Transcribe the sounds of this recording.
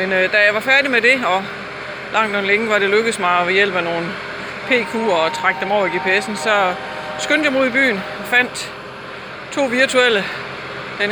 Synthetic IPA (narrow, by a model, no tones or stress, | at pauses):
mend̥æjɑ̈ɪʋɑ̈fæɐɾimed̥e̝ɒ̽ | lɑ̈ŋ̰d̥ɒ̽nleŋəʋɑ̈ɾ̥e̝løɡ̥əð̩ˠsmɑ̈ɪɒ̽ʋe̝jel̰b̥æno̝ːn̩ | pʰe̝̰ːkʰṵːɒt͡sʰʁɑ̈ɡ̥d̥emɒʊ̰ɐiɡ̥e̝ːpʰeesn̩sɒ̽ | sɡ̥øn̰d̥jɑmuð̰ˠib̥y̰ːnɒfæn̰d̥ | t͡sʰo̝̰ːʋiɐt͡sʰuelə | d̥e